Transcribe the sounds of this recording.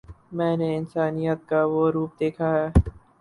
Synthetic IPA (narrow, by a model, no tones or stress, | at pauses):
mɛ̃ːneɪnsaːnijət̪̚kaʋoɾuːp̚d̪eːkʰaɦɛː